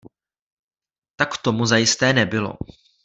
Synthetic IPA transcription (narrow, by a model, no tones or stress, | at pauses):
t̪akt̪o̞muzajɪst̪ɛːnɛbɪlo̰